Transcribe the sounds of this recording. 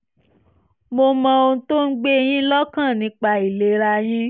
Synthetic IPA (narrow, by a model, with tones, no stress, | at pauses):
mo˧mɔ̃˧õ˧to˦n̩˦ɡ͡be˦˧j̃ĩ˦lɔ˦kã˦˨nĩ˨˧˦k͡pa˧i˨le˨˧ɾa˧j̃ĩ˦